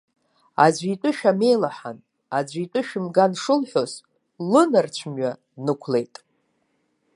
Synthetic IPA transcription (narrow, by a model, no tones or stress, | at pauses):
a̰zʷitʷʼʊʃᶣame̞jlaħa̰n | ad͡ʑʷitʼɨʃᶣɪmɡanʂɨlħʷo̞z | lɨnɨrt͡ɕʷʰmɥa | nɨkʷʰle̞jtʼ